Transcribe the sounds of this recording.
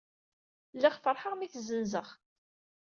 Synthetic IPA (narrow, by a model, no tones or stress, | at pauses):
lːæχfəɾˤħəʁmiθzənzəʁ